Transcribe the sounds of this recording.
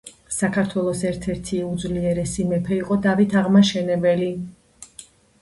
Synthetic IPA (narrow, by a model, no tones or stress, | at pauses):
sakʰaɾt̪ʰwɛlˠɔsɛɾt̪ʰɛɾt̪ʰiud̪zliɛɾɛsimɛpʰɛiqʼɔd̪avit̪ʰaʁmaʃɛnɛbɛli